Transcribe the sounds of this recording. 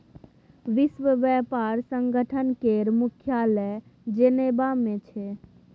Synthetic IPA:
ʋisʋəʋɛpaɾsəŋɡʱəʈʰənkeɾmukʰjalɛd͡ʒənebamẽt͡ʃʰɛ

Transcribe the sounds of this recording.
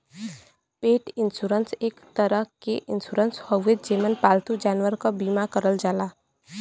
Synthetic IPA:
peːʈɪnsuːɾənseːkt̪əɾəɦkeʔɪnsuɾənshəʋed̪d͡ʒeːmənpaːlt̪ud͡ʒaːnwəɾkabiːmakəɾəld͡ʒaːlaː

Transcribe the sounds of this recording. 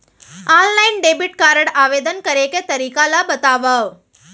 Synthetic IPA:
allainɖebiʈkaɾəɽaʋed̪ənkəɾeket̪əɾikalabət̪aʋaʋ

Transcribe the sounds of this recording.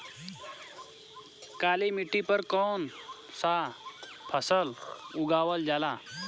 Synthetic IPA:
kalimiʈipəɾkɔn | sa | pʰəsəluɡaʋəld͡ʑala

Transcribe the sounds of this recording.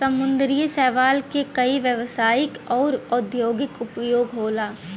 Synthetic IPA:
sɐmʊ̃nd̪ɾijəsɛːʋaːlkekɐiʋjəʋsaːjɪkɔːɾɔd̪ʱjoːɡɪkʊpjoːɡɦoːlaː

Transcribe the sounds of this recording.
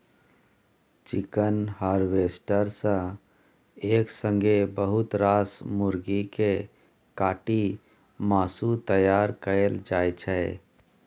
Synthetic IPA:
t͡ʃɪkənhaːɾʋeːsʈəɾsə̃ | eːksə̃ŋɡebəɦʊt̪ɾaːsmʊɾɡike | kaːʈi | maːsut̪əjaːɾkəeld͡ʒaːjt͡ʃʰɛ

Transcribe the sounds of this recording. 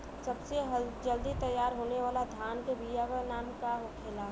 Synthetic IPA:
sɐbseɦd͡ʒəld̪it̪əjːaːɾɦoːneʋaːlad̪ʱjaːnkebijaʋənaːmkaɦokʰeːlaː

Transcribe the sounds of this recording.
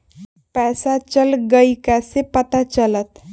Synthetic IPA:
pɛːsat͡ʃəlɡəikɛsepət̪at͡ʃələt̪

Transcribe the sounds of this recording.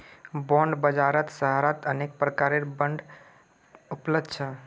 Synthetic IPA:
bɔ̃ɳɖbəd͡ʒaːɾət̪səɦaɾət̪ənek̚pɾəkaɾeɾbə̃ɳɖ | ʊpləbd̪̚t͡ʃʰə

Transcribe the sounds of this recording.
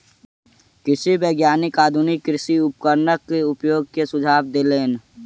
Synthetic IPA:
kɪsibeːɡjaːnɪkaːd̪ʱʊnɪkːɾɪʃiʊp̚kəɾnəkːeʊpjoːɡ̚kesʊd͡ʒʱaːbd̪eːleːn

